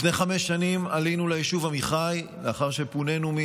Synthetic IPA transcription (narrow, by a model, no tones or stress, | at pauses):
fneχame̞ʃːanimalinulajiʃuvamiχaj | leaχaʁʃe̞pune̞numi